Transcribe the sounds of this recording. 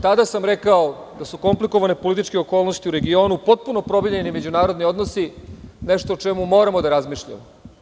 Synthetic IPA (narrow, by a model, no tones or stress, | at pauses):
t̪ad̪asamɾekaod̪asuko̞mpliko̞ʋane̞polit̪it͡ʃkeo̞ko̞ːlno̞st̪iuɾe̞ɡio̞nupo̞t̪̚puno̞pɾo̞biʎenime̞d͡ʑunaːɾod̪nio̞d̪nosine̞ʃt̪oːt͡ʃemumo̞ːɾamo̞d̪aɾazmiʃʎa̰mo